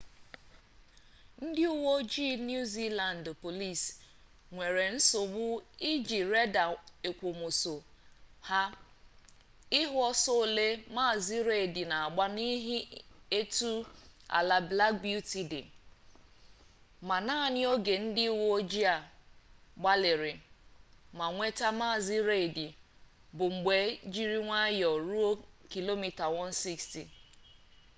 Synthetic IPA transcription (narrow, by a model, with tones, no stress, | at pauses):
n̩˦dɪ˦u˦wo˦d͡ʒi˦nju˦zi˦la˨n˨dpo˨li˦˨s | ŋʷe˨ɾe˨n̩˦so˨ɡ͡bʊ˦i˦d͡ʒi˨ɾe˦da˨e˨kʷo˨mʊ˨so˨ | ha˦ | ɪ˦ɦʊ˦ɔ˦so˦˨le˦ma˦˨zi˦ɾe˨dɪ˨na˨a˨ɡ͡ba˦ni˦ɦɪ˦e˦tu˦a̰˨la˨bla˦k̚bu˦ti˨dɪ̰˨ | ma˨naː˦˨nɪ˦o˦ɡe˨n̩˦dɪ˦wo˦d͡ʒi˦a˨ | ɡ͡ba˦lɪ˨ɾɪ˨ | ma˨ŋʷe˦ta˦maː˦˨zi˦ɾe˦˨di˨ | bʊ˨ŋ͡m̩˨ɡ͡be˨˦d͡ʒi˦ɾi˦ŋʷa˦jɔ˨ɾu˦o˦ki˨lo˦mi˨ta˨wɔ˦n̩˦si˦ksti˨